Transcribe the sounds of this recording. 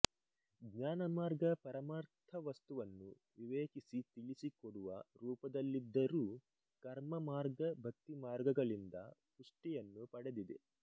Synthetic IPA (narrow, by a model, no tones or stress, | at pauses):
ɡɲaːnɐmaːɾɡɐpɐɾɐmaːɾt̪ʰɐʋɐst̪uʋɐnːu | ʋiʋeːkisit̪iɭisikoɽuʋɐɾuːpɐd̪ɐlːid̪ːɐɾuː | kɐɾmɐmaːɾɡɐbʱɐk̚t̪ːimaːɾɡɐɡɐɭind̪ɐpuʂʈijɐnːupɐɽed̪id̪e